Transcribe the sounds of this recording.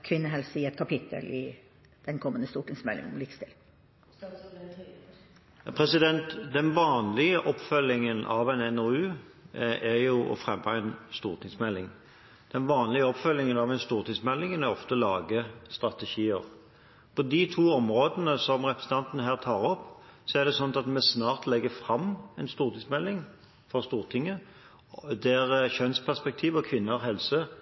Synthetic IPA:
kʰʋɪnːəɦɛlsɪɛt̪kʰɑpʰɪt̪ʰːə̰lɪ | d̪̥ɛnkʰɔmːənd̪əst̪uːʈɪŋsmɛlːɪ̰ŋəlɪkst̪ʰɪl | pʰʁɛsɪd̪ɛnt̪d̪ɛnʋɑːnlɪəʔɔpːfœlːɪŋənʔɑ̰ʋɛɪnɛnɔʉː | æɾjʊɔ̰fʁɛmːəɛnst̪uːʁʈ̪ʰɪŋsmɛlːɪŋ | d̪̥ɛnʋɑːnlɪəɔpfœlːɪŋənɑʋɛɪnst̪uːʁt̪ɪŋsmɛlːɪŋənæɾɔft̪əɔlɑːɡəst̪ʁɑt̪ɛʃiːəʁ | pʰɔd̪ɪt̪ʰuːɔmʁoːd̪ənəsɔmʁɛpɾəsn̩t̪ɑnt̪ənəɦæːʁt̪ʰɑːɾɔpːsɔæʁd̪ɛsɔnt̪ɑt̪mɛsnɑːʁt̪lɛɡəfɾɑmɛɪnst̪uːʁt̪ʰɪŋsmɛlːɪŋ | fɔʁst̪uːʁt̪ʰɪŋːə | d̪æɾçœnspʰæʁspɛk̚t̪ʰiːʋɔkʰʋɪnːəhɛlsə

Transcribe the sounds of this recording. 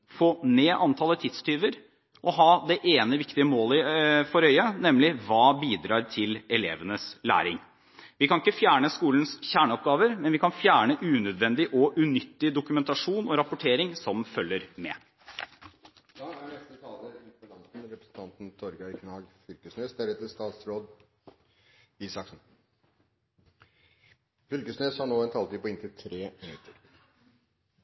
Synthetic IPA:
foːneːʔɑnt̪ʰɑːlət̪ʰɪt̪st̪ʰyːʋəɾ | ʔɔɦɑːd̪ɛʔeːnəʋɪkt̪ɪəmoːlɪfɔɾœʏɑnɛmlɪʋɑːbiːd̪ɾɑːɾt̪ʰɪlɛlḛːʋənəslæ̰ːɾɪŋ | ʋɪkʰɑnɪkːəfjæːɳəskuːln̩sçæːɳəɔpɡɑːʋəɾmɛnʋɪkɑnfjæːɳəʔʉːnœd̪ʋɛnd̪ɪʔɔʔʉnʏt̪ːɪd̪ʊkʉmɛnt̪ɑʂuːnɔɾɑpʊʈʰeːɾɪŋsɔmfœlːəɾmɛ̰ː | ɑːæɳɛst̪ət̪ʰɑːləɪfɔlɑnsn̩ɾɛpɾə̥sn̩t̪ʰɑnt̪n̩t̪ʰɔɾɡɑkʰnɑːɡfʏlkəsnøːsd̪æɾɛt̪ːəʂt̪ɑːt̪sɾoːd̪ | iːsɑksn | fʏlkəsnøːshɑɳoːɛnt̪ʰɑlt̪iːpɔɪnt̪ʰɪlt̪ʰɾeːmɪnʉt̪ʰːəɾ

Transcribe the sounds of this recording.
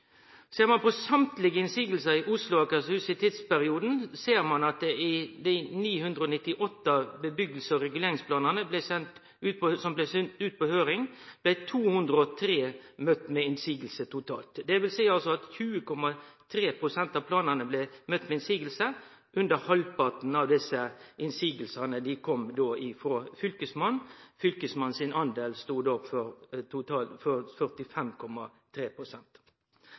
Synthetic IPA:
seːɾmɑnpɔsɑmt̪lɪɡəɪnsiːɡəlsəɪʔʊslʊɑkɑshʉːsɪt̪ʰɪt̪spæɾɪuːd̪n̩seːɾmɑnɑt̪ɪd̪æɪniːhʉnd̪ɾəɔːnɪt̪ːɪʔɔt̪ːəbəbʏɡəl̩səɔɾɛɡʉleːɾɪŋsplɑːnənəblɛsɛnt̪ | ʉːt̪̚pʰɔsɔmblɛsʏnt̪ʉːt̪̚pʰɔhøːɾɪŋb̥læt̪ʰuːhʉnd̪ɾəɔt̪ʰɾeːmœt̪ːmɛɪnsiːɡəlsət̪ʰʊt̪ʰɑ̰ːlt̪d̪ɛʋɪlsæɪɑlsɔɑt̪çʉːəkʰɔmɑt̪ʰɾeːpʰɾʊsɛnt̪ɑʋpʰlɑːnənəblɛmœt̪ːmɛɪnsiːɡəlsə | ʔʉnd̪əɾhɑlpɑt̪n̩ɑʋd̪ɪsəʔɪnsiːɡəlsɑnəd̪ɪkʰɔmd̪oːɪfɾoːfʏlkəsmɑnfʏlkəsmɑnsɪnʔɑnd̪eːlst̪uːd̪oːfɔɾt̪ʊt̪ʰɑːfɔɾfœʁt̪ɪfɛmkʰɔmːɑt̪ʰɾeːpɾʊsɛnt̪

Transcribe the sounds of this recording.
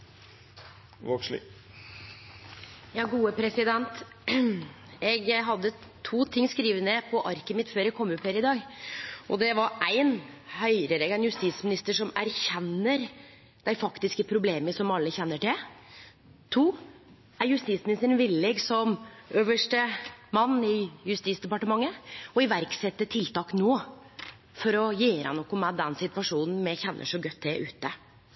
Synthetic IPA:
ʋokʂlɪ̰ | jɑːɡuːəpʰɾɛsɪd̪ɛnt̪ | ɛɡɦɑd̪ːət̪ʰuːt̪ʰɪŋːskɾiːʋənɛpʰɔʔɑɾkəmɪt̪føːɾɛɡ̚kʰɔmːʉpːhøːɾɪd̪ɑːɡʔɔd̪ɛʋɑɾæɪnhœʏɾəɾɛɡæɪnjʉst̪iːsmɪnɪst̪əʂɔmæɾçɛnːəɾ | d̪æɪfɑkt̪ɪskəpʰɾʊbleːməsɔmɑlːəçɛnːəʈɪl | t̪ʰuː | æɾjʉst̪iːt̪smɪnɪst̪əɾənʋɪlːɛɡsɔmøːʋəʂʈəmɑnːɪjʉst̪iːt̪sd̪ɛpɑʈəmɑŋːəɔɪʋæɾksɛt̪ːət̪ʰɪlt̪ɑːknoː | fɔɾɔjeːɾə̰nɔkːɔmɛd̪ɛnsɪt̪ʋɑʂuːnn̩mɛçɛnːə̰ʂɔɡœt̪̚ʰːd̪ɛʔʉ̰ːt̪ːə

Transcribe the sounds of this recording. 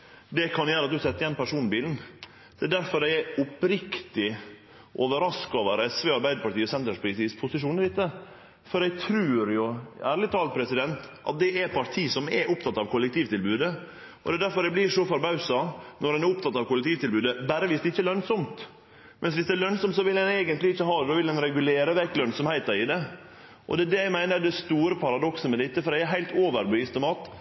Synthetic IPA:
d̪ɛkʰɑnjæːɾəɑt̪̚d̪ʉsɛt̪ːəɾjɛnpæʂuːnbiːln̩ | d̪ɛːd̪æɾfɔɾdæɪɛʊpɾɪkt̪ɪ | ʔoːʋəɾɑskoːʋəɾɛsʋeːɑɾbæɪd̪əpɑʈiːɔsɛnt̪ɾəʂpɾɪsispʰʊsɪʂuːnɪd̪ɪt̪ːə | fɔɾɛɪt̪ʰɾʉːɾjʊæːɾɭɪt̪ʰɑːlt̪̚pʰɾɛsɪd̪ɛnt̪ʔɑ̰t̪̚d̪ɛʔæpʰɑɾʈʰiːsɔmɛʊp̚t̪ʰɑt̪ɑʋkʰʊlːɛk̚t̪ʰiːʋt̪ɪlbʉːd̪ə | ʔɔ̰d̪ɛːd̪æɾfɔɾɛɡblɪʂɔfɔɾbɑʉsɑnɔɾɛnæɾʊpt̪ɑt̪ːɑːʋkʊlɛk̚t̪ʰiːʋt̪ɪlbʉːd̪əbæːɾəʋɪːsd̪ɛɪçːəlœnsɔmt̪ | mʔɛnsʋɪsd̪ɛːlœnsɔmt̪sɔʋɪldɛneːɡənt̪lɪɪçːəɦɑːd̪ɛd̪ɑʋɪld̪ɛnɾɛɡʉleːɾəʋɛkːlœnsɔmhæɪt̪əɾɪd̪ɛ | ʔɔ̰d̪ɛːd̪ɛæmæɪnəɾd̪ɛst̪uːɾəpʰɑɾɑd̪ɔksəmɛd̪ɪt̪ːəfɔɾɛɪæɾɦæɪlt̪oːʋəɾbʏɪst̪əmɑːt̪

